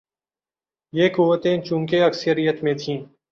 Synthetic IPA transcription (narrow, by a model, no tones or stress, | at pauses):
jeːkuʋət̪ẽt͡ʃũːkeɐksəɾijət̪mẽt̪ʰĩː